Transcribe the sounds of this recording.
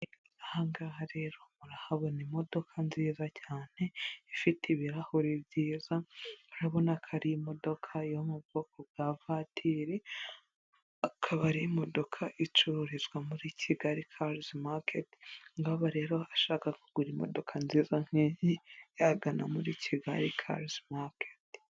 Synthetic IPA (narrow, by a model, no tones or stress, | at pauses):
ahaŋɡaɦaɾe̞ɾo̞muɾahaβonimo̞do̞kʰanziːzacʰaːn̥e̞ifitiβiɾahoɾibɟiːzauɾaβo̞nakʰaɾiimo̞do̞kʰaijomubɡokʰobɡavatʰiɾe | akʰaβaɾiimo̞do̞kʰaʔit͡ʃuɾuɾizɡwamuɾicʰiɡaɾikʰaɾzmakʰetŋɡaβaɾe̞ːɾo̞aʃaːkakuɡ̥uɾimo̞̰do̞kʰanziːzaŋ̥heɲijaɡanamuɾicʰiɡaɾikʰa̰ɾzmaket